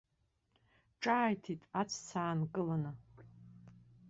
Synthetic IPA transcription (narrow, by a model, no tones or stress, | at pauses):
ʈ͡ʂʼaːjtʰitʼat͡sʷʰt͡sʰaːnkʼɨlanɨ